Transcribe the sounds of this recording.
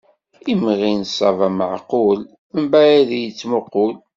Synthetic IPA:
imʁinsˤɑvæməʕqol | θəmbæjæðijət͡sːmoqʊl

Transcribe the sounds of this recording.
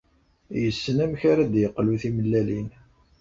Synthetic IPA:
jəsːənæmçaɾad̪jəqːluθiməlːælin

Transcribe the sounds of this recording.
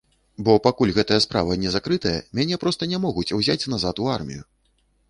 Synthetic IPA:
bɔpakulʲɣɛt̪ɐjɐspɾa̰vɐnʲɛzakɾɨt̪ɐjɐ̰mʲanʲɛpɾɔst̪ɐnʲɛmɔɣut͡sʲwzʲat͡sʲnazat̪uarmʲḭju

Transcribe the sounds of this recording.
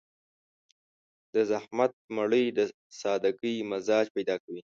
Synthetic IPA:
d̪̥əzahmat̪̚maɽəjd̪ə | sɑd̪aɡəjmazɑd͡ʒpajd̪ɑkawi

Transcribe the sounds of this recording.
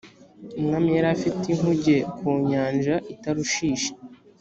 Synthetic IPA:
umŋameɾafitiŋ̥huɟe̞kuːɲaːnd͡ʒaʔitaɾuʃiːʃe̥

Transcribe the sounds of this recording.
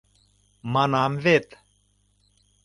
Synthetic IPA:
manamvet̪

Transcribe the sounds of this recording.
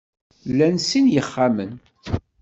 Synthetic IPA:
lːænsinjəχːamən

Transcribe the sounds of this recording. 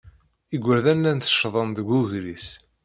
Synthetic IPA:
iɡʷːəɾðænːænt̪ə̥ʃːðˤənðəɡʷːuʝɾis

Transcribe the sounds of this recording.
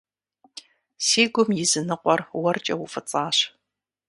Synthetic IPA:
siːɡʷʊmjɪzɨnɨqʷɔrwɐrt͡ʃʼɐwʊfɐt͡sʼaːɕ

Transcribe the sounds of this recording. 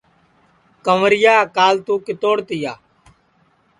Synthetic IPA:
kəʋɾɪjaːkaːlt̪uːkɪt̪oːɽt̪ɪjaː

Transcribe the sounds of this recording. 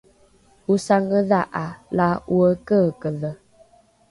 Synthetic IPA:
usaŋəðaʔalawəkəkəðə

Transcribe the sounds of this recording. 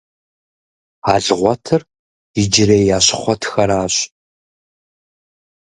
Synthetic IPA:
aːɮɨʁʷɔtʰɨr | ɪd͡ʒɪreːjaːɕɪχʷɔtʰxɐɾaːɕ

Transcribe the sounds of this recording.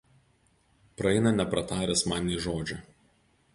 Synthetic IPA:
pɾɐɛɪnɐnʲɛpɾɐt̪ɑːɾʲɛsmɑːnʲiʒoːd͡ʒʲɛ

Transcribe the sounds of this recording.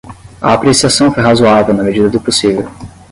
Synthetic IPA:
ɐ̰apɾesiasɐ̃w̃fojɦazuavewnɐmed͡ʒid̪ɐd̪ʊposivew

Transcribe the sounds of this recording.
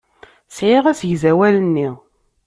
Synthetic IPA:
sʕiʁæsjzæwælənːi

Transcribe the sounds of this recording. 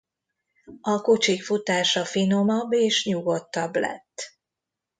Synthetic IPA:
ɒkot͡ʃikfut̪aːʃɒfino̞mɒbːeːʃɲuɡo̞t̪ːɒblɛ̰t̪ː

